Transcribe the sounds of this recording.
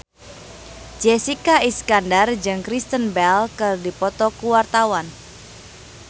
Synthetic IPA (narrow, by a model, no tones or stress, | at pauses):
d͡ʒesikaiskandard͡ʒɨŋkɾist̪ənbɛlkɨrdipɔt̪ɔkuwart̪awan